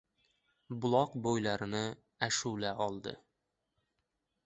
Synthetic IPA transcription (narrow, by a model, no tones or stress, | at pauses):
bʊlˠɒqbojlæɾnɤ | æʃulæʔɒlˠd̪ɤ̰